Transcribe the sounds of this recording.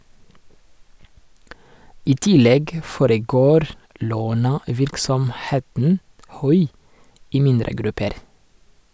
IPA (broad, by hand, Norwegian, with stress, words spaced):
ˈiː ˈtɪˌlɛɡ ə ˈfoːɾəˌɡoːɾ ˈloːnəˌʋɪɾksɔmˌheːtn̩ ˈhʉɪ ˈiː ˈmɪndɾə ˈɡɾʉpəɾ